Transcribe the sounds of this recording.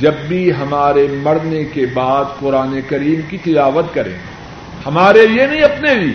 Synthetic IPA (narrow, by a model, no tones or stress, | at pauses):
d͡ʒɐbːiɦɐmaːɾemɐɽnekebaːd̪qʊɾaːnekɐɾiːmkit̪ɪlaːʋət̪kɐɾḛ̃ː | hɐmaːɾelijenɐɦĩɐpnebʱiː